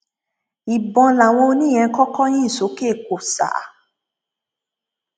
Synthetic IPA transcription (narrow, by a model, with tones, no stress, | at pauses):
i˨bɔ̃˨la˨w̃ɔ̃˧o˧nĩ˦˨ɛ̃˧˦kɔ˦kɔ˦j̃ĩ˦i˨so˨˦ke˦˨ko˨sa̰˨˦